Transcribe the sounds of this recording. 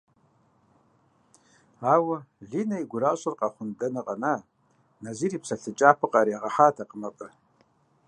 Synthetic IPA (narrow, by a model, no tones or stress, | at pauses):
awaɮinaiɡʷʊɾaʃʷʼʊrqʼaχʷʊndanɨqʼana | naziɾipʰsaɬɨt͡ʃʼapʰɨqʼaɾiaʁaħatʰaqʼmaqʼɨ